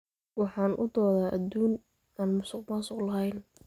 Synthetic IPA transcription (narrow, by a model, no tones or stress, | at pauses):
wɑħɑːnʔʊd̪ɔːðaːʔɐd̪uːn | aːnmʊsʊqmasʊqlɐɦɛjn